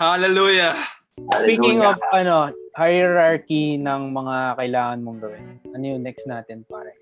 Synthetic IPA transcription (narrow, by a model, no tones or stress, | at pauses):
halɛluːja | spikɪŋofɐno̞hajɛɾaɹkinɐŋmɐŋakɐʔɪlaːŋɐnmoŋɡɐwɪnʔɐnojoŋnɛksnaːt̪ɪnpa̰ːɾɐ̰